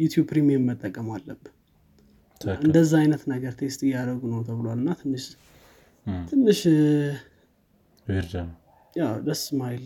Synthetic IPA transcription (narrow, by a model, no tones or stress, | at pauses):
jut̪ʰjub̚pʰɾimiəmːət̪ʼːəkʼːəmalːəbːɨn | ɨnd̪əzːaajnət̪nəɡəɾt̪ʰe̞kst̪ʼɪjːaɾəɡunəwt̪ʰəβɨlowalɨnːat̪ʰɨnːɨʃ | t̪ʰɨnːɨʃ | weɾd̪an | jawd̪əsmajl